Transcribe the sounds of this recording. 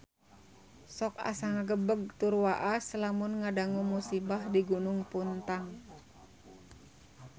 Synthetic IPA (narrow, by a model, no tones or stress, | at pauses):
sɔk̚a̰saŋaɡəbəɡ̚t̪urwaʔasəlamunŋadaŋumusibahdiɡunʊŋpunt̪aŋ